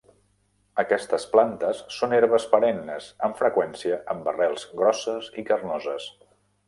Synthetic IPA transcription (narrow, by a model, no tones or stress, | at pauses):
əkɛst̪əsplant̪əsːoneɾβəspəɾɛnːəsəɱfɾəkwɛnsiəʔəmbərɛlˠz̥ɣɾɔsəzikərnɔzəs